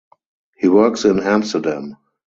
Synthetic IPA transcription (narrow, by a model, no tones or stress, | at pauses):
hiːwɜ˞ksɪ̃næ̃mstə˞dæ̃m